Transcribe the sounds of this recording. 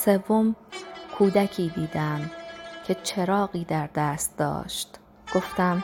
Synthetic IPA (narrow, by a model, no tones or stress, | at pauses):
se̞vːomkʰuːd̪æcʰiːd̪iːd̪æmcʰe̞t͡ʃʰe̞ɾɒːɢiːd̪æɾd̪æːst̪̚d̪ɒ̰ːʃt̪ | ɡ̥o̞ft̪æm